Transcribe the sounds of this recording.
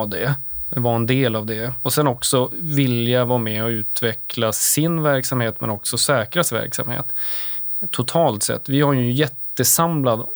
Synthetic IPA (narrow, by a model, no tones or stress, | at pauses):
d̪ɛvaɛnd̪eːlavd̪ɛɔsɛnɔksɔvɪljavɑːmɛɔʉ̟ːt̪vɛkʰlasɪnvæɾksamheːt̪mɛ̰nɔksɔsɛːkɾasvæ̰ɾksa̰mhḛːt̪ʰː | ʊt̪ʰɑːlt̪sɛ̰t̪ːvɪhaɾjɵjɛt̪ːəsamlad̪